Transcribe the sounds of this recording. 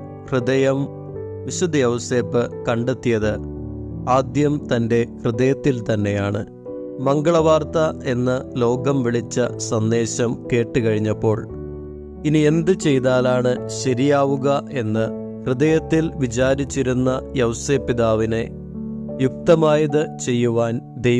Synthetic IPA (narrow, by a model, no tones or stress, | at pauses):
krɨdɐjɐm | ʋiɕud̪ɐjɐwse̞ːpɨkɐɳɖet̪ːijɐðɨ | aːd̪jɐmt̪ɐnde̞krɨðɐjɐt̪ːilt̪ɐnːe̞jaːɳɨ̰ | mɐŋɡɐɭɐʋaːrt̪ɐe̞nːɨlo̞ːɡɐmʋiɭit͡ɕːɐsɐnd̪e̞ːɕɐmke̞ːʈːɨkɐɻiɲːɐpːo̞ːɭ | inie̞nd̪ɨt͡ɕe̞jt̪aːlaːɳɨɕɐɾijaːʋuɣɐe̞nːɨ | krɨðɐjɐt̪ːilʋit͡ɕaːɾit͡ɕːiɾunːɐjɐwse̞ːpːiðaːʋine̞ | juk̚t̪ɐmaːjɐðɨt͡ɕe̞jːuʋaːn | d̪e̞